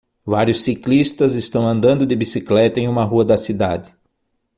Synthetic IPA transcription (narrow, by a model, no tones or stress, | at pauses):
vaɾjʊsːiklist̪ɐzɪst̪ɐ̃w̃ɐ̃nd̪ɐ̃nd̪ʊd̪ɪbisiklɛt̪ɐẽj̃ũmɐɦuɐd̪ɐsid̪a̰d̪ɪ